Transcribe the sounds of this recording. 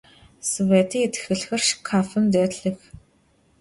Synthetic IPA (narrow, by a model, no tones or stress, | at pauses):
svet̪ʰiːet̪̆xɘ̆ɮxɘ̆rʃkʰafə̆nt̪̬œːt̪ɮɘ̆x